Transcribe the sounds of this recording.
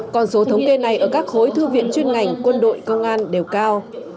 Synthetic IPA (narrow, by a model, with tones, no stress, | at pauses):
kɔ˨˩nso˨˦t̪ʰə˨˦wŋ͡mke˧na˨˩jʔəː˧˩kaː˦˥k̚ho˨˦jt̪ʰɨ˧vḭ˧˨ənt͡ɕwi˧ənŋa˨˩jŋ̟kwə˧nɗo̰˧˨jkə˧wŋ͡mʔaː˧nɗe˨˩wkaː˧w